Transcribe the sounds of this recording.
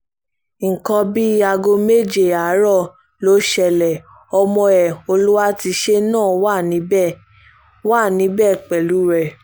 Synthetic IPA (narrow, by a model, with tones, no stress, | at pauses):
ŋ̩˨kɔ̃˧bi˦a˧ɡo˧me˦˨d͡ʒe˦˨a˨˦ɾɔ˦˨ | lo˦ʃɛ˧˨lɛ˨ | ɔ˧mɔ̃˧ɛ˨o˧lu˦wa˦ti˧ʃe˦nãː˦˨wa˦˨nĩ˨˦bɛ˦˨ | wa˦˨nĩ˨˦bɛ˦˨k͡pɛ˨lu˨˦ɾɛ˦˨